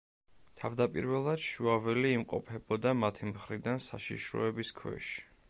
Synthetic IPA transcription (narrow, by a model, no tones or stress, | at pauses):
t̪ʰavd̪apʼḭɾvɛlˠad̪̥ʃuavɛliːmqʼɔpʰɛbɔd̪amat̪ʰimχɾid̪ansaʃḭʃɾɔ̰ɛbiskʰwɛ̰ʃi̥